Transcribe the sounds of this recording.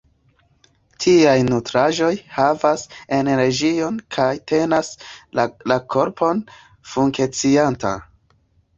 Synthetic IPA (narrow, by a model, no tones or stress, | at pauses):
tʰiajnutɾaʒo̞jhavase̞nɾe̞d͡ʒio̞nkʰajtʰe̞nas | lakʰo̞ɾpʰo̞n | fuŋke̞t͡sianta̰